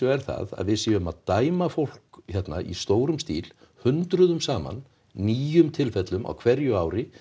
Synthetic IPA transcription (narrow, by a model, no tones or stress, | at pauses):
œɛɾθa̰ða̰ðvɪðsɪʏmaðt̪aːjmafowl̥kçɛt̪naʔḭst̪oːwɾʏmst̪iːl | hʏnt̪ɾʏðʏmsaːma̰nː | iːjʏmt̪ʰɪlfɛt̪lʏmʔa̰wkʰvɛɾjʏaːwɾɪ